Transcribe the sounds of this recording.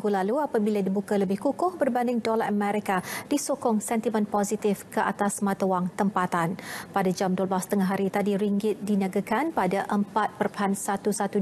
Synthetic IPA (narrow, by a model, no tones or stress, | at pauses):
ɡulaluapabiladibukaləbɪhkukʊhbərbandɪŋdolaʔəmɛɾikad̥isokɔŋsɛnt̪imə̃npɔzit̪ɪfkəʔat̪asmãt̪awaŋt̪əmpat̪anpadad͡ʒamduəblast̪əŋaɦaɾit̪adiɾiŋɡɪt̪̚dinaɡakanpadaʔəmpat̪̚pərpəɦansat̪usat̪u